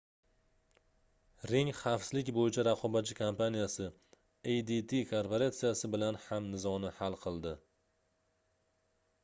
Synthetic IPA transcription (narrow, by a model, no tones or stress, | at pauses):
ɾɪŋχɑfslɪkʲbojɪt͡ʃʰaɾɑqʰɒbat̪̚t͡ʃːɪkʰampanijasɪ | ejd̪it̪ʰikʰoɾpoɾat̪sijasɪbɪlanhamnɪzɒnɪhalˠqʰɨlˠd̪ɪ